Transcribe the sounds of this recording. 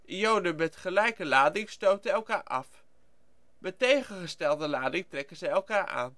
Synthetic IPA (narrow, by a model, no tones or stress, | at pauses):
ijowdənmɛtχəlɛjkəlaːdɪŋstowtəɛlˠkaːɹʔɑ̰f | mɛtejχənχəstɛlˠdəlaːdɪŋtrɛkənzɛjɛlˠkaːɹʔa̰ːn